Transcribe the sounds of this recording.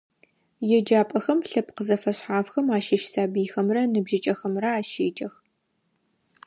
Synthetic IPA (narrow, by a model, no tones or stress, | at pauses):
jɛd͡ʒaːpʼɐxɐmɬɐp̚ʰqəzɐfɐɕħaːfxɐmaːʃɐʃsaːbiːxɐmrɐnɨbʒɪt͡ʃʼɐxɐmrɐaːʃeːd͡ʒʼɐx